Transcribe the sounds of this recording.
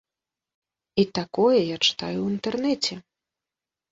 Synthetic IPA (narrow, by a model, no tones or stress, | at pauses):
it̪akɔjɛjat͡ʂɨ̥t̪ajuint̪ɛrnɛt͡sʲɛ